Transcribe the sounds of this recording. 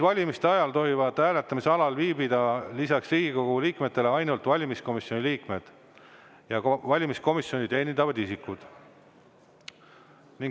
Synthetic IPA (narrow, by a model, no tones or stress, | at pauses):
vɑlʲimist̪e̞ɑjɑlt̪o̞ɦivɑd̪̥hæːle̞t̪ːˑɑmiseɑlɑlviːbid̪̥ɑlisɑksriːɡ̥iko̞ɡ̥uliːkme̞t̪ːe̞le̞ɑjnult̪ˑvɑlʲimisko̞misjo̞niliːkme̞d̪̥ | jɑvɑlʲimisko̞misjo̞nʲit̪e̞ːnʲind̪ɑvɑd̪isikːˑud̪̥ | niŋ